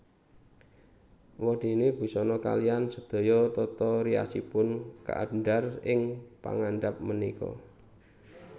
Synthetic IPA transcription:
wɔd̪̥e̤neb̥i̤sɔnɔka̰lijansəd̪̥o̤jɔt̪ɔt̪ɔɾia̰sipʊnka̰ʔaɳɖarɪŋpa̰ŋanɖap̚mənikɔ̰

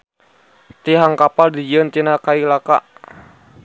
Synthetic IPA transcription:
t̪iɦaŋkapaldid͡ʒənt̪inakailakaʔ

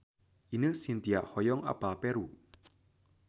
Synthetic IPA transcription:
ʔinəsint̪ia̰ʔhɔjɔŋʔa̰palpɛɾu

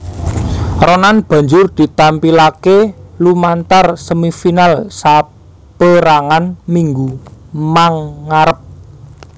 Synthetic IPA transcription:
ronanb̥ä̤ɲd͡ʒʊrd̪̥i̤t̪ampilakelumant̪arsəmifinalsa | pəɾaŋanmiŋɡumaŋːaɾəp̚

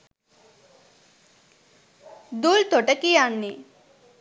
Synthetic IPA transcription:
d̪ult̪oʈəkijanːi

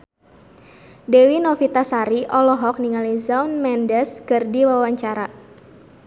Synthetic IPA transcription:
dewinɔfit̪asaɾiʔɔlɔɦɔk̚niŋalizaunmɛndɛskərdiwawaɲt͡ʃaɾa

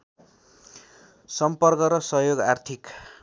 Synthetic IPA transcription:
sʌmpʌrkʌɾʌsʌɦjoɡart̪ʰik

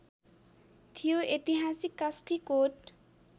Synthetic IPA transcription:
t̪ʰijoet̪iɦasikːast̪ʰikoʈ

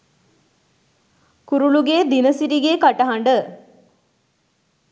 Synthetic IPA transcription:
kuɾuluɡeːd̪inəsiɾiɡeːkaʈɐɦaɳɖə

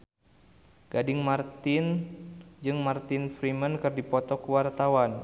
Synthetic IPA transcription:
ɡ̥adɪŋmart̪ɪn | d͡ʒɨŋmart̪ɪnfɾimənkɨrdipɔt̪ɔkəwart̪awan

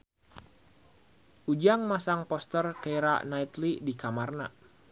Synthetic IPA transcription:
ʔud͡ʒaŋmasaŋpɔst̪ərkejɾa̰ʔnait̪lidikamarna̰

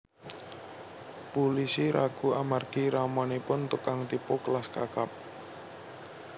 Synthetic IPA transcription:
pulisiɾaɡ̥uamarɡ̥iɾamɔnepʊnt̪ukaŋt̪ipokəlaskakap̚

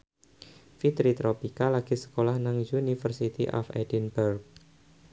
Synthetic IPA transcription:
fit̪ɾit̪ɾopikalaɡ̥isə̥kolahnaŋjunifərsit̪iʔɔ̰fɛ̰dinbərk̚

